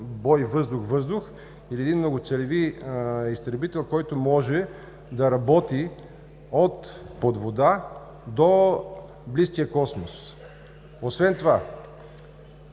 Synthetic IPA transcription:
bɔjvɤzd̪ʊxvɤzd̪ʊx | iliɛd̪inmnoɡot̪sɛlɛviist̪ɾɛbit̪ɛlˠkɔjt̪ʊmɔʒɛ | d̪ɐɾɐbɔt̪i | ot̪pod̪vod̪a | d̪o | bliskijəkɔsmos | osvɛnt̪ova

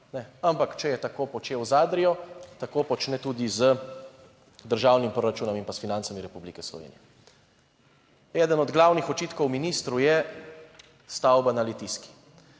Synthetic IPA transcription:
nɛampakt͡ʃɛjɛt̪akoːpɔt͡ʃeːwzaːd̪ɾijɔt̪akoːpɔt͡ʃnɛt̪ud̪izə | d̪əɾʒaːwnimpɾoɾat͡ʃuːnɔminpasfinantsamiɾɛpublikɛslɔ̰ʋḛːnḭjɛ | ɛːd̪ənɔd̪ɡlaːwnixɔt͡ʃiːt̪kɔwminist̪ɾujɛ | st̪awbanalɛt̪iski̥

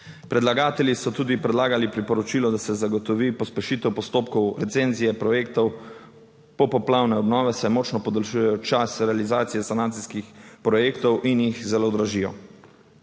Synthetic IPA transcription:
pɾɛd̪laɡaːt̪ɛljisɔt̪uːd̪ipɾɛd̪laːɡalipɾipɔɾɔt͡ʃiːlɔd̪asɛzaɡɔt̪ɔʋiːpɔspɛʃiːt̪ɛwpɔst̪oːp̚kɔwɾɛt̪seːnzijɛpɾɔjeːkt̪ɔw | pɔpɔplaːwnɛɔbnɔːʋɛsajmɔːt͡ʃnɔpɔd̪ɐlʃujɛjɔt͡ʃasɾɛalizaːt̪sijɛsanaːnsiskixpɾɔjeːkt̪ɔwʔinjixzɛlod̪ɾaʒiːjɔ

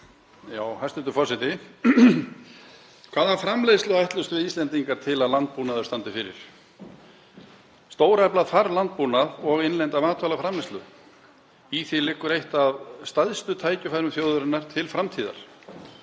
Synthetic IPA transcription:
jaːwhast̪ɛnt̪ʏfɔsɪt̪ɪ | kʰv̥aːðafɾamlejstlʏajht̪lʏst̪vɪðist̪ɛnt̪iŋkaɾ̥t̪ʰɪlaðlant̪̚punaðʏ̥ɾst̪ant̪ɪfɪɾɪ̰ɾ̥ | st̪oːwɾɛplaðfaɾlant̪̚puːnaðɔɣenlɛnt̪amaːt̪ʰvalafɾamlest̪lʏ | iθilɪhkːʏɾejht̪avst̪aðst̪ʏt̪ʰaːjcʏfajɾʏmθjowðʏɾɪnːaɾ̥t̪ʰɪlfɾamt̪ʰiːða̰ɾ̥

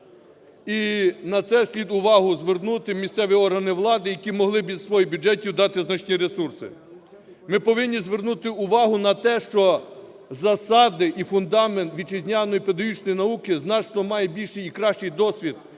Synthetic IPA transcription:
inɐt̪sɛsʲlʲid̪ʊʋɑɦʊzʋernut̪ɪmʲist̪sɛʋʲiɔrɦɐnɪʋlˠɑd̪ɪjɐkʲimɔɦlˠɪbʲizsʋɔjibʲud͡ʒɛtʲiwd̪ɑt̪ɪznɐt͡ʃnʲiɾesursɪ̰ | mɪpɔʋɪnʲːizʋernut̪ɪʊʋɑɦʊnɐt̪ɛʃt͡ʃɔ | zɐsɑd̪ɪʔifʊnd̪ɑment̪ʋʲid̪̚t͡ʃɪzʲnʲanɔjiped̪ɔɦit͡ʃnɔjnɐukɪznɑt͡ʃnɔmɑjɛbʲilʲʃɪjikɾɑʃt͡ʃɪjd̪ɔsʲʋʲid̪̥̚

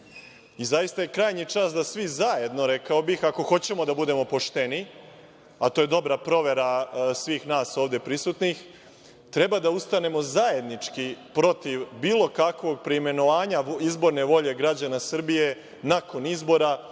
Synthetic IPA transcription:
izajist̪aje̞kɾaːjɲit͡ʂaːsd̪asʋizaje̞d̪no̞ɾe̞kao̞bixako̞xo̞t͡ɕe̞mo̞d̪abud̪e̞mo̞po̞ʃt̪e̞ni | at̪o̞ːje̞d̪o̞bɾapɾo̞ʋe̞ɾasʋiːxnaːsoːʋd̪e̞pɾisuːt̪nix | t̪ɾe̞bad̪aust̪ane̞mo̞zaje̞d̪nit͡ʂkipɾo̞t̪iʋbiːlˠo̞kakʋo̞ɡ̚pɾeime̞no̞ʋaːɲaizbo̞ɾne̞ʋo̞ʎe̞ɡɾad͡ʑanasr̩bije̞ | nako̞nizbo̞ɾa

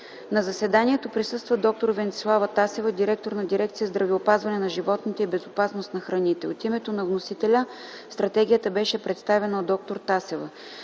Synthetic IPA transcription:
nɐzɐsɛd̪anʲiɛt̪opɾisɤst̪vəd̪ɔk̚t̪oɾvɛnt̪ʲlˠavət̪asɛvəd̪iɾɛk̚t̪oɾnɐd̪iɾɛk̚t̪siəzd̪ɾɐviopazvɐnɛnɐʒivɔt̪nit̪ɛibɛzopasnost̪nɐxɾɐnit̪ɛot̪imɛt̪onɐvnosit̪ɛlʲə | st̪ɾɐt̪ɛɡ̟ʲijət̪əbɛʃɛpɾɛt̪st̪avɛnəod̪ɔk̚t̪oɾt̪asɛvə

